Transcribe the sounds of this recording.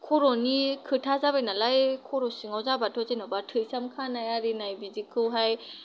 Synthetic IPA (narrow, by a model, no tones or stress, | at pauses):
kʰɔɾɔnikʰɯtʰazabajnalajkʰɔɾɔsiŋawzabatʰɔzenɔbatʰɯjsamkʰanajaɾinajbizikʰɯwɦaj